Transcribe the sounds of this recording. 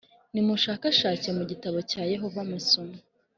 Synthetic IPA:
nimuʃaːkaʃaːcemuɟitaβo̞caːje̞ɦo̞vamusuma

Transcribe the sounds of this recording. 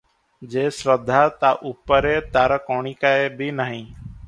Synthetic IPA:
d͡ʒeːsɾəd̪ʱːaːt̪aːʔuːpːəɾeːt̪aːɾəkoːɳiːkaːebʱiːnəɦĩː

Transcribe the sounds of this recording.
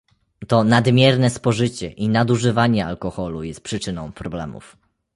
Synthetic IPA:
t̪ɔnad̪mʲjɛɾnɛspɔʐɘt͡ɕɛʔinad̪uʐɘvaɲɛa̰lkɔxɔlujɛst̪̚pʂɘt͡ʂɘnɔ̃w̃pɾɔblɛ̰mṵf

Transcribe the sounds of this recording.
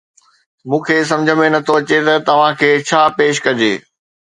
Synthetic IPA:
mũːkʰeːs̬ɐ̃md͡ʑʱə̆mẽnɐt̪ʰoɐt͡ɕet̪ɐt̪ɐʋ̤ãkʰeːt͡ɕʰaːpeːʃ̬kɐd͡ʑeː

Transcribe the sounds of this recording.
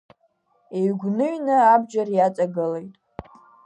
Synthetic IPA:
eɥɡʷnɨɥnɨabd͡ʒʼarjat͡sʼaɡɨlejtʼ

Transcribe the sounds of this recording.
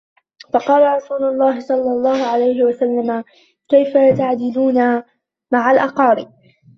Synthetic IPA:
fɑqɑːlaɾˤɑsuːlʊlˤːɑːɦɪsˤɑlːɑlˤːɑːhʊʕalajɦɪwasalːama | kajfajat̪aʕd͡ʒɪluːna | maʕalʔɑqɑːɾɪb

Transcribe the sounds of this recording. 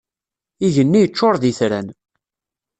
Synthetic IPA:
iʝənːijət͡ʃːoɾˤðiθɾæn

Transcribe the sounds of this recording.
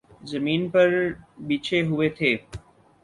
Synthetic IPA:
zɐmiːnpɐɾɓiːt͡ʃʰeɦʊʋet̪ʰeː

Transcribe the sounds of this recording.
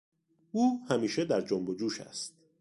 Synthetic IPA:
uːhæmiːʃed̪æɾd͡ʒombod͡ʒuːʃæ̰st̪̚

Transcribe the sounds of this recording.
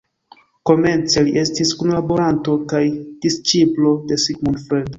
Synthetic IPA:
ko̞me̞nt͡se̞liʔe̞stiskunlabo̞ɾanto̞kajd̥ist͡ʃiplo̞de̞siɡmunfɾedo

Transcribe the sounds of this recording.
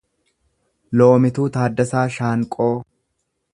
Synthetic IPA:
loːmɪt̪uːt̪aːd̪ːɐsaːʃaːŋkʼoː

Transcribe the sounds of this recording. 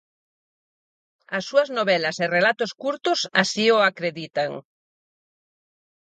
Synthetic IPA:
ɐsːuɐznoβɛlɐserelat̪ʊskuɾt̪ʊsasioakɾeðit̪aŋ

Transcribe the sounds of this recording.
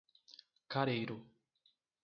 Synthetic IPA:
kaɾejɾo

